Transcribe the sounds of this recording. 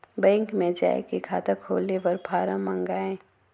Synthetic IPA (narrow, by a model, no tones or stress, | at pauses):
bɛ̃ːŋkmẽd͡ʒa̰ːḛkekʰaːt̪əkʰo̰ːleʋɐɾbʱaːɾãmɐ̃ŋɡaːẽ